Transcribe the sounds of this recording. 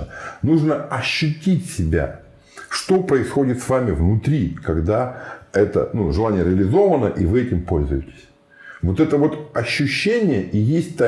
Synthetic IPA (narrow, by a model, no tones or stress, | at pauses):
nuʐnəɐɕːʉtʲitʲsʲɪbʲa̰ | ʂt̪o̞pɾəɪsxo̞dʲɪt̪svamʲɪvnʊt̪ɾʲikɐɡd̪aɛt̪ə̰nuʐɨlˠanʲɪjəɾʲɪəlʲɪzo̞vənəʔivɨɛtʲɪmpo̞lʲzʊ̰jɪtʲɪ̥sʲ | vo̞t̪ɛt̪əvo̞t̪ɐɕːʉɕːenʲɪjəʔijesʲtʲt̪a